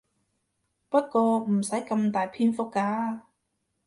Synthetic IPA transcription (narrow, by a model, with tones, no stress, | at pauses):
pɐ˦˥t̚kɔː˧m̩˨˩sɐ˨˥jkɐ˧mt̪aː˨˩jpʰiː˧˥nfo˧˥kaː˧˥